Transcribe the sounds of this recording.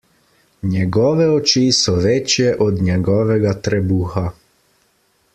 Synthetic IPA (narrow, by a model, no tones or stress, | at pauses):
njɛɡɔːʋɛɔt͡ʃisɔʋɛt͡ʃjɛʔɔd̪ɲɛɡɔːʋɛɡat̪ɾɛbuxa